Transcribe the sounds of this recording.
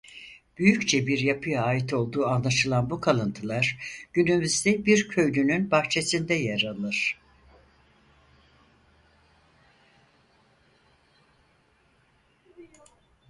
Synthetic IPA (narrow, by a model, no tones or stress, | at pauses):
b̥yjyct͡ʃʰɛbiɾjapʰɯjaːit̪ʰo̞lˠd̪uːanlˠaʃɯlˠanbukʰalˠɯnt̪ʰɯlˠaɾ̥ɟ̥ynymyzd̪ɛbiɾcʰø̞jlynynbaxt͡ʃʰe̞sind̪ɛjaɾalˠɯɾ̥